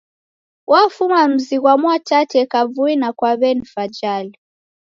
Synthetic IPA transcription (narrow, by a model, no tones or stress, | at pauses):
wafumam̩ziɣwamwatatɛkavuinakwaβɛnifad͡ʒali